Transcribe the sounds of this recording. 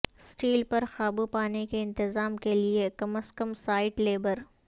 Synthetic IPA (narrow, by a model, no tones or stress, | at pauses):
sʈiːlpɐɾxaːbupaːnekeɪ̃nt̪ɪzaːmkeliekɐməskəmsaːɪʈleːbəɾ